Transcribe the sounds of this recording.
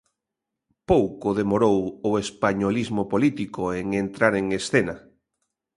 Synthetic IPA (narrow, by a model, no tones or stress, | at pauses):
powkoðemoɾowʊespaɲolizmopolit̪ikoeŋent̪ɾaɾeŋesθena